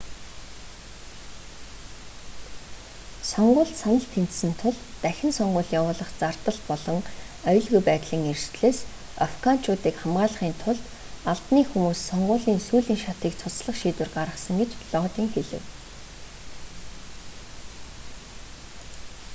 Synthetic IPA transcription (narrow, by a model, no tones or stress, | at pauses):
sɔɴɢʊːɮt̪sanə̆ɬt̪ʰent̪sɘ̆nt̪ʰʊɮ | t̪æxʲɪ̆nsɔɴɢʊːɮjawʊːɮə̆χt͡sart̪ə̆ɮpɔɮɞ̆ŋ | œj̆ɮɣujpæːt̪ɮiːŋerʃt̪ɮeːs | afɡan̥t͡ɕʰʊːt̪iːkχamɢaːɮə̆χiːnt̪ʰʊɮt̪ | aɮt̪niːxumuːsːɔɴɢʊːɮiːnsuːɮiːŋʃat̪iːkt͡sʰʊsɮə̆χʃiːt̪wɘ̆rɢaɾʁə̆sə̆ŋɡet͡ɕɮɔːt̪iːŋxeɮɘ̆w